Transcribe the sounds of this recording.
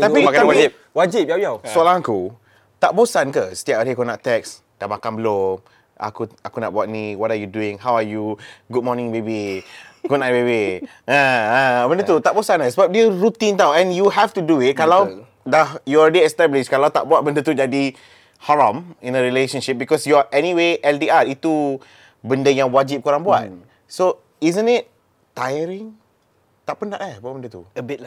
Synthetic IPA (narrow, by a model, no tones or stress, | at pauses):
aiakaawad͡ʒip̚ | wad͡ʒip̚jawjasualãŋaku | t̪aʔbosankəsə̥t̪iapaɾekunaʔt̪ɛks | d̥amakanbəlom | a̰kuakuna̰ʔbuat̚niwɔtajuduĩŋɦawajuɡud̚mɔnĩŋbebikunãbebi | ããbə̃ndət̪ut̪aʔbosãnasəbap̚diəɹut̪ĩnt̪awɛ̃njuɦɛft̪uduit̚kalaw | dajuɔlɹɛdiɛst̪ɛblɪʃkalawt̪a̰ʔbuat̚bəndət̪ud͡ʒadi | hɔɹãmĩnəɹileʃə̃nʃip̚bikɔsjɔʔɛniweʔɛltiatit̪u | bəndəjaŋwad͡ʒip̚kuɾaŋbua̰t̚ | so | izə̃nit̚ | t̪ajəɾĩŋ | t̪aʔpənaʔlahbuaʔ̚bəndət̪ub